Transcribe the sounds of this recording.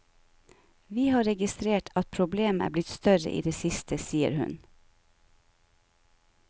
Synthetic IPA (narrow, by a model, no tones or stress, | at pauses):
ʋiːhɑːɾɛɡɪst̪ɾeːʈʰɑt̪̚pʰɾʊbleːmæ̰ːblɪt̪st̪œɾə̰ʔḭːd̪eːsɪst̪ʰəsiːə̰ɾhʉ̰n